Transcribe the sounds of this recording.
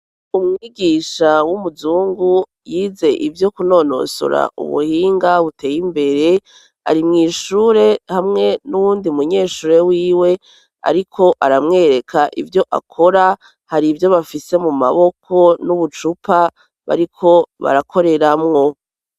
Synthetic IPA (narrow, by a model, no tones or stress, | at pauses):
umŋiːɡiʃawumuzuːŋɡu | jiːze̞ʔivjo̞kuno̞no̞̰sṵɾa̰ʔṵβṵhiːŋɡaβute̞ːjimbe̞ɾe̞ | a̰ɾimŋiːʃuːɾe̞hamŋe̞nuwuːndiumuɲe̞ːʃuːɾe̞wiːwe̞ | a̰ɾikʰo̞ʔaɾamŋe̞ːɾe̞kʰaʔivjo̞ʔa̰kʰo̞ɾa | haɾivjo̞βafise̞muma̰βo̞kʰo̞nuβut͡ʃupa | βa̰ɾikʰo̞βa̰ɾakʰo̞ɾe̞ɾamŋo̞